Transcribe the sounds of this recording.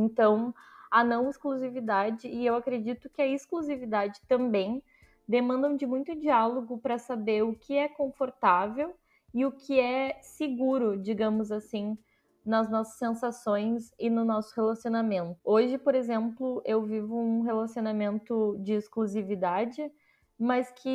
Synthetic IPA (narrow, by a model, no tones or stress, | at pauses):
ẽnt̪ɐ̃w̃ɐnɐ̃w̃ɪskluzivid̪ad͡ʒɪːewakɾed͡ʒit̪ʊkɪɐɪskluzivid̪ad͡ʒɪt̪ɐ̃mbẽj̃ | d̪emɐ̃nd̪ɐ̃w̃d͡ʒɪmũj̃t̪ʊd͡ʒialoɡʊpɾɐsabeɾʊkʰɪɛkõfoɾt̪avew | ɪʊkʰɪɛsɪɡuɾʊd͡ʒiɡɐ̃mʊzasĩ | nɐznɔsɐ̥sːẽsasõj̃sɪnʊnɔsʊ̥helasionamẽnt̪ʊoʒɪpoɾezẽmplʊʔewvivʊũɦelasionamẽnt̪ʊd͡ʒɪːskluzivid̪ad͡ʒɪ | mɐskʰɪ